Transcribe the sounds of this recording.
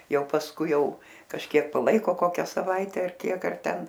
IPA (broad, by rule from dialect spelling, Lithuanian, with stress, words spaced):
ˈjɛʊ pɐsˈkʊɪ ˈjɛʊ kɐʃʲˈkʲiɛk pɐˈlˠɐɪkoː ˈkoːkʲæː sɐˈʋɐɪtʲɛ ɐr ˈkʲiɛk ɐr ˈtʲɛn